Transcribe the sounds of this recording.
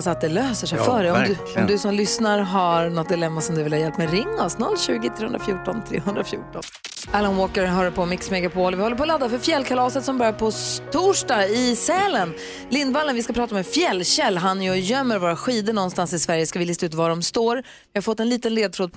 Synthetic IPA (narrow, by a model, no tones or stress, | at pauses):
sat̪̚d̪ɛløːsəʂɛjfœːɖɛɔmd̪ | ɔmd̪ɵsɔmlʏsnaɾɦaɾnɔt̪̚d̪ɪlɛmːasɔmd̪ɵvɪlhɑjɛlpːmɛɾɪŋːɔsnɔ̰lːɕʉ̟ːɡɪt̪ʰɾeːhɵnɾafjuːʈɔnt̪ʰɾḛːɦɵnɾafjṵːʈɔn | alanwoːkəɾɦœːɾəpʰɔmɪksmɛɡapʰoːlvɪhɔlːəpɔːlad̪ːafœɾfjɛlːkʰalɑːsət̪sɔmbœɾjaɾpʰɔt̪ʰuːʂdɑːɡɪsɛːlən | lɪnd̪valːənvɪskapʰɾɑːt̪amɛfjɛlːɕɛlːɦanːjɔjœmːəɾvoːɾaɧiːd̪əɳɔnst̪ansɪsvæɾjəskavɪlɪst̪aʉ̟ːt̪vaɖɔmst̪oːɾ | vɪhaɾfɔt̪ːɛnliːt̪ənleːd̪t̪ʰɾoːd̪̚